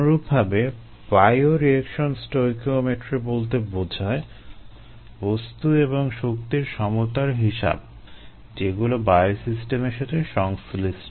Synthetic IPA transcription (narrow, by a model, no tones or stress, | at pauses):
ɾub̚bʱabe | bajoɾiekʃonsʈojkomeʈɾibolt̪ebod͡ʑʱae | bost̪ueboŋʃok̚t̪iɾʃɔmot̪aɾɦiʃa̰b | d͡ʑeɡulobajosisʈemeɾʃat̪ʰeʃɔŋslisʈ